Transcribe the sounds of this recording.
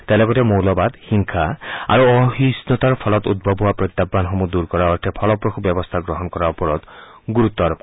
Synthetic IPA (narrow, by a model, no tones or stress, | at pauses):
t̪elɔkɔt̪emowlɔbad̪hiŋkʰaa̰ɾuɔɦisnɔt̪aɾɔpʰɔlɔt̪ud̪̚bʱɔbʱuwapɾɔt̪ːabːanɦɔmud̪uɾkɔɾaɔʈʰepʰɔlɔpɾɔkʰubjɔbɔst̪ʰaɡɾɔɦɔnɔkɔɾaɔpɔɾɔd̪ | ɡuɾut̪ːɔaɾɔp̚k